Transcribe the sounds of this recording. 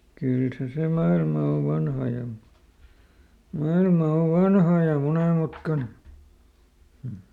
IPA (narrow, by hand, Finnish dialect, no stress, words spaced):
kyl se se mɑilmɑ o ʋɑnhɑ jɑ mɑilmɑ o ʋɑnhɑ jɑ moneˑmutkɑne hm̩